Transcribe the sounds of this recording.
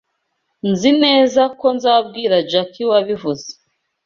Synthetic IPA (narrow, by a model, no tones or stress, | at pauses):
nzine̞ːzako̞nzab̚ɡiːɾad͡ʒakʰiwaβivuze̥